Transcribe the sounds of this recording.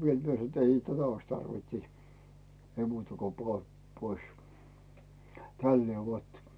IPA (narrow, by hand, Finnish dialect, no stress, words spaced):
ʋiel mie sɑno t ei tætæ ois tɑrʋint sit̆ ei muːtɑ ko poɑ pois tælːeː ʋot